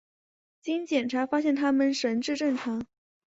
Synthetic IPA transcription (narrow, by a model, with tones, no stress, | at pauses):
t͡ɕi˥nt͡ɕjɛ˨˩nʈ͡ʂʰa˧˥fa˥ɕjɛ˥˩nt̪ʰa˥mə˨nʂə˧˥nʈ͡ʂɻ̩˥˧ʈ͡ʂə˥˩ŋʈ͡ʂʰɑ˧˥ŋ